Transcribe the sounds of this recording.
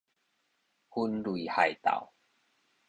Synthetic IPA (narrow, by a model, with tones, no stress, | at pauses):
hu˦nlwi˨˩ha˨˩jt̪a̰˨w